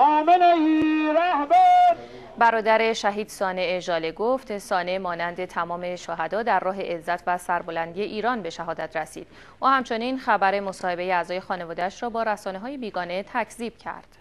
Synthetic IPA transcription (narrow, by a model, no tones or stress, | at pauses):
ʔɒːmenɒiːɾæhbæɾ | bæɾɒːd̪æɾeʃæɦiːd̪̥sɒːneeʒɒːleɡoft̪sɒːnemɒːnænd̪e̞t̪ʰæmɒːme̞ʃoɦæd̪ɒːd̪ærrɒːɦe̞ʔezːæt̪ʰvæsæɾbo̞lænd̪ieʔiːɾɒːnbe̞ʃæɦɒːd̪æt̪ʰɾesiːd̪̥ | ʔuːhæmt͡ʃʰo̞niːnxæbæɾe̞mo̞sɒːhe̞be̞jeæzɒːje̞xɒːne̞vɒːd̪eæʃrɒːbɒːɾæsɒːneɦɒːje̞biːɡɒːne̞t̪ʰæcʰziːb̥̚cʰæ̰ɾd̪̥